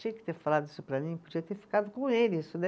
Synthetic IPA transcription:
iɐkɪ̥t̪eɾfalad̪ʊisʊpɾɐmĩpod͡ʒiɐt̪eɾfi̥kad̪ʊkõelɪisʊd̪ɛ

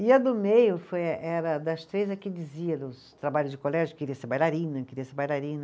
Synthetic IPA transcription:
iɐd̪ʊmejʊffojɐʔɛɾɐd̪ɐst̪ɾejzɐkɪd͡ʒiziɐd̪ʊst̪ɾabaʎʊzd͡ʒɪkolɛʒʊkeɾiɐseɾbajlaɾĩnɐkɪeɾiɐseɾbajlaɾĩnɐ

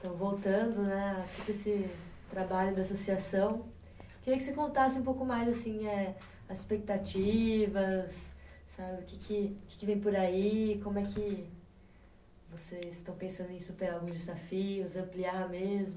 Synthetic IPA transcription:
t̪ɐ̃w̃vowt̪ɐ̃nd̪ʊnɛt̪ud̪ʊesɪt̪ɾabaʎʊd̪ɪasosiasɐ̃w̃ | keɾiɐkɪsekõnt̪asɪũp̬owkʊmajzasĩɛ | ɐzɪspek̚t̪at͡ʃivɐsː | abɪʊkɪkʰɪʊkɪ̥kɪvẽj̃poɾaikõmʊɛkɪ | vosezɪst̪ɐ̃w̃pẽsɐ̃nd̪ʊẽsupeɾawɡũzd͡ʒɪzafiʊzɐ̃mpliamezmʊ

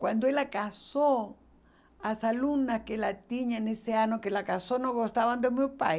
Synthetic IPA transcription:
kwand̪oelakaso | asalunaskelat̪iɲaneseaɲokelakasonoɣost̪aβand̪emjopa

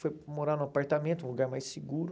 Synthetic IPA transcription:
fojmoɾanʊ̃apaɾt̪amẽnt̪ʊũluɡaɾmajsiɡuɾʊ

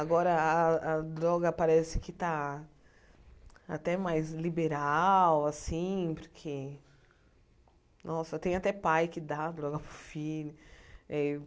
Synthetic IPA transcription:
aɡɔɾɐaad̪ɾɔɡɐpaɾɛsɪ̥kɪt̪a | a̰t̪ɛmajzlibeɾawasĩpoɾkʰe | nʔɔsɐt̪ẽj̃at̪ɛpajkɪd̪aːd̪ɾɔɡɐpɾʊfilʊɛ

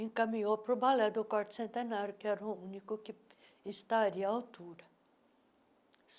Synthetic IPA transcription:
ẽŋkamĩɲopɾʊbalɛd̪ʊkwaɾt̪ʊ̥sẽnt̪enaɾjʊkɪɛɾɐʊũnikʊkɪ | ɪst̪aɾiɐaawt̪uɾɐ

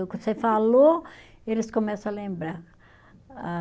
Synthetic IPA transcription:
ʊkõsefaloelɪskõmɛsɐ̃alẽmbɾaɾ | a

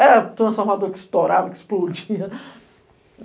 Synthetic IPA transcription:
ɛɾɐt̪ɾɐ̃sfoɾmad̪oɾkɪ̥st̪oɾavɐkɪsplod͡ʒiɐ

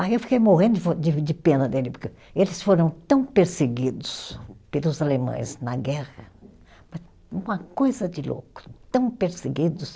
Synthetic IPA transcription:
aiewfi̥kejmoɦẽnd̪ʊod͡ʒɪd͡ʒɪpẽnɐd̪elɪpʊke | elɪsfoɾɐ̃w̃t̪ɐ̃w̃peɾseɡid̪ʊspelʊzalemɐ̰̃j̃znɐɡɛʁɐ | mɐs | ũɐkojzɐd͡ʒɪlo̰kʊ̥t̪ɐ̃w̃peɾseɡid̪ʊs

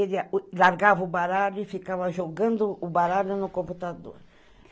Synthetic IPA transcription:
eɾialaɾɡavubaɾaɾʊifikaβaʒoɡɐ̃nd̪ʊːbaɾaɾunukõmput̪ad̪o̰ɾ

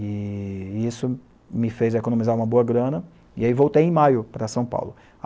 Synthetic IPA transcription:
ɪ | isʊ | mɪfejzekonõmizaɾũmɐboɐɡɾɐ̃nɐ | ɪaivowt̪ejẽj̃majʊpɾɐsɐ̃w̃pa̰wlʊ

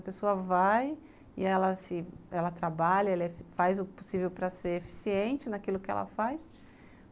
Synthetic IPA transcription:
ɐpesoɐvaj | ɪɛlɐsɪɛlɐt̪ɾabaʎɐɛlɐeffajzʊpo̥sivewpɾɐseɾefi̥siẽnt͡ʃɪnakilʊkɪɛ̰lʔɐ̰fajs

